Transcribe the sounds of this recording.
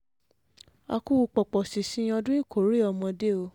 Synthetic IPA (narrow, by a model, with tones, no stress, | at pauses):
a̰˧ku˦wu˧k͡pɔ˨k͡pɔ˨si˨sĩ˨˦j̃ɔ̃˧dũ˦ĩ˦˨kʰo˨˦ɾi˦˨ɔ˧mɔ̃˧de˦o˧